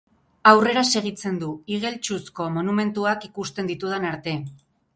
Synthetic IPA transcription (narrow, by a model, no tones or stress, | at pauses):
awre̞ɾase̞ɣ̞it͡se̞nd̪uiɣ̞e̞lt͡ʃusko̞mo̞nume̞nt̪uakikust̪e̞nd̪it̪uð̞anaɾt̪e̞